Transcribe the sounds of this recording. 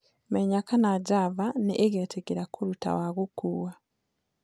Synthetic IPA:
meɲakanaɟavaneʔeɣeːtʰeɡeɾakoɾuta̰waɣukuːwa

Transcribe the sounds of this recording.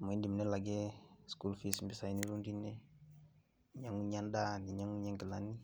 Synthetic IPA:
maindimnɛlaɡɛskulfismbisainiɾundinɛ | ɲaŋuɲandandiɲaŋuɲaŋɡəlani

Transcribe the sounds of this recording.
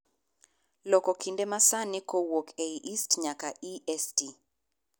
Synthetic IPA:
lɔkɔkʰindemasanikowokʰeiʔistɲakaʔiʔɛsti

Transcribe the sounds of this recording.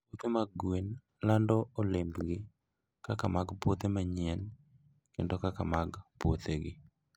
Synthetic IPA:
pwot̪emaɡwen | landɔolembɡɪ | kakamaɡpwot̪emaɲɪɛn | kendokakamaɡpwot̪eɡɪ

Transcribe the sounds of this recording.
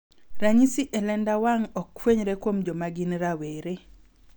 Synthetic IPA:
ɾaɲisiʔɛlɛndawaŋɔkːweɲɾekwomd͡ʒomaɡinɾaweɾe

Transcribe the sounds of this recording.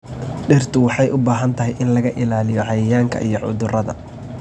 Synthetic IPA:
ɖɪrt̪ʰʊwɑħɑjʔʊbaːɦɐnt̪ʰɐɦɛjʔɪnlɐɣɐʔɪlaːlɪjɔʕɑjɪjaːŋkʰɐ̰ʔijɔʕʊ̰ðʊrɐðɐ̰

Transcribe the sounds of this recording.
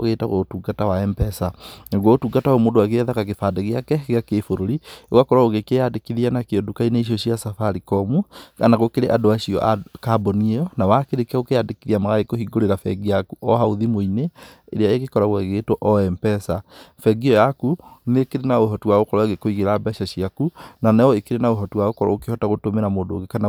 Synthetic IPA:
o̰ɣeta̰ɣotuːɡatawaɛmpɛsaɣwaotuːɡataɔmoːdoaɣeɛðakaɣefadeɣeakɛeɣakefoɾoɾieɣwakɔɾwaoɣekeadekiðianakeɔdokainaiʃ̬oʃiasafaɾikɔmuɣa̰naɣokeɾeʔadoaʃiɔ̰ʔakabɔniɔnawakeɾekɛokeadekiðiamaɣaɾekohiɡoɾeɾafɛ̰ɡiakuɔɦauðimoineeɾeaeɣekɔɾaɣwɛɣetoʔɔɛmpɛsafɛɡiɔjakunekeɾenaoɦɔtuwaɣokɔɾwaɣekoiɣeɾabɛʃaɕiakunanajɔekeɾenaoɦɔtuwaokɔɾa̰okehɔtaɣotomeɾamoːdo̰ɣekana

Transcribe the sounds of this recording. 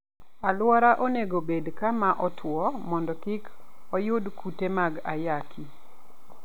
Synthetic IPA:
alwaɾaʔoneɡobedkamaʔɔtʰwɔmɔndɔkikɔjʊdkutemaɡajakʰi

